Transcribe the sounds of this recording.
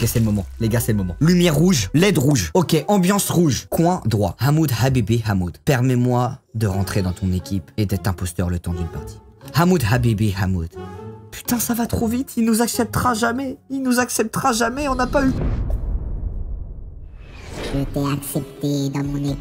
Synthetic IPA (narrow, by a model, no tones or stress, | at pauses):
kɛsɛləmɔmɑ̃leɡasɛləmɔmɑ̃lymjɛʁːuʒlɛd̪ʁuʒɔkʲeʔɑ̃bjɑ̃sʁuʒkwɛ̃d̪ʁwa̰hamud̪habibeɦamud̪pɛʁmɛmwad̪əʁɑ̃t̪χed̪ɑ̃t̪ʰɔ̃nekʲʰiped̪ɛt̪χɛ̃pɔst̪œʁlət̪ɑ̃d̪ynpaʁt̪ʰi̥hamud̪habibeɦamud̪̥pʰy̥t̪ɛ̃savat̪χovit̪ʰilnuzaksɛp̚t̪əʁaʒamɛilnuzaksɛp̚t̪əʁaʒamɛɔ̃napay | ʒet̪ɛaksɛp̚t̪ed̪ɑ̃mɔ̃ne